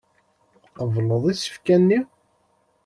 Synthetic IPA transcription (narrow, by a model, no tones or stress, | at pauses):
vləðˤisə̥fkænːi